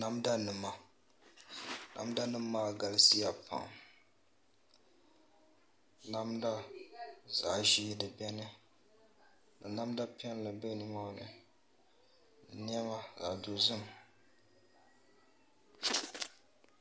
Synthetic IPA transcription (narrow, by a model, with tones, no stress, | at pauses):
na˦mda˦nɨ˨mːa˨ | na̰˨˦m˦da˦nɨ˦mː˦aː˦˨ɡa˨lsi˦ja˨pa̰˨ŋ | na˦mda˦ | za˨ʒiː˦dɨ˨bɛ˦nɨ˦ | lɨ˨na˦mda˦pɛ˦n˨lɨ˨bɛ˦nɨ˦ma˦nɨ̰˨ | ɨ˨ni˦ɛ˦ma˦za̰˨du˨zɨ˦m